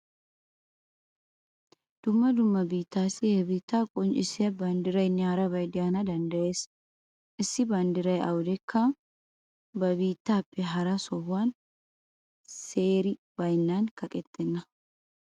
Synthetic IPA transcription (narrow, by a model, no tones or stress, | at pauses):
d̪̥ʊmːɐd̪ʊmːɐbiːt̪ːaːsɪebiːt̪ːaːkʼɔnt͡ʃʼɪsɛɐband̪ɪɾɐjnɪaːɾɐbɐjd̪ɪjaːnɐd̪ɐnd̪ɐʔe̞ːs | ʔɪsːɪbaːnd̪ɪɾɐjɐ̰wʊd̪ɛkːa | bɐbiːt̪ːaːpʼːɛɦɐɾɐsɔhan | seːɾɪ | b̥ɐjnːaːŋkɐkʼɛt̪ːɛnːɐ